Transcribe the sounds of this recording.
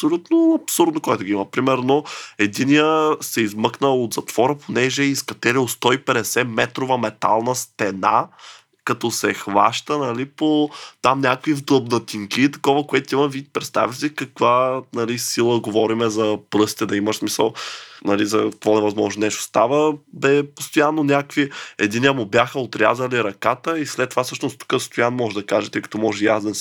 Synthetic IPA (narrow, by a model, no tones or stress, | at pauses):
ɐsolʲut̪noɐpsuɾd̪nokoɛt̪ʊɡʲiimɐpɾimɛɾnoɛd̪inijəsɛizmɤknəlˠot̪zɐt̪v̥ɔɾəponɛʒɛiskɐt̪ɛɾilˠst̪ɔipɛd̪ɛsɛmɛt̪ɾovəmɛt̪a̰lˠnəst̪ɛna̰ | kɐt̪ɔsɛxvaʃt̪ənɐlipot̪amnʲakvivd̪lˠəbd̪ɐt̪ʲiŋkit̪ɐ̥kɔvəkoɛt̪imɐvit̪̚pɾɛt̪st̪a̰vʲisikɐkvanɐlisilˠəɡovɔɾimɛzɐpɾɤsi̥t̪ɛd̪ɐiməʃsmisəlˠnɐlizɐkkvɔnɛvɐzmɔʒnonɛʃʊ̥st̪avəbɛpost̪ojanːonʲakviɛd̪iniəmʊbjaxəot̪ɾʲa̰zəliɾɐkat̪əislɛt̪ːovafsɤʃnost̪u̥kəst̪ojanmɔʒɛd̪ɐkaʒɛt̪əikɐ̥t̪ɔmɔʒɛjazɛns